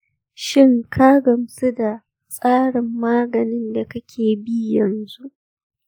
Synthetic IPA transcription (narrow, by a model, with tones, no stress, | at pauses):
ʃɪ˦ŋkʰa˦ɡɐ˨msu˦da˨ | sʼaː˦ɽɪ˨mːaː˦ɡɐ˨nɪ˦nda˨kɐ˦kʲʰeː˨bi˦jɐ˨nzu˦ʔ